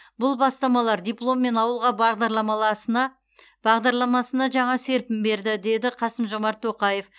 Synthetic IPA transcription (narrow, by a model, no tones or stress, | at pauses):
bʊlˠbɑst̪ɑmɑlˠɑɾd̪ʲijplˠo̞mːe̞nɑwəlˠʁɑɾlˠɑmɑ | bɑʁd̪ɑɾlˠɑmɑsənɑʒɑɴɑse̞ɾpɪmbe̞ɾd̪ɪd̪e̞d̪ɪqʰɑsəmʒo̞mɑɾt̪ʰːo̞qɑje̞f